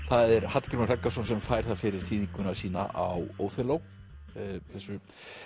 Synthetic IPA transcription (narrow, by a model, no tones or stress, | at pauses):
θaðɛɾhat̪kɛɾmarakːḁsɔnsɛmfaːjɾ̥θaðfɪɾɪɾ̥θiːðiŋkʏnḁsiːna̰ʔawoːwθɛlow | θɛsːʏ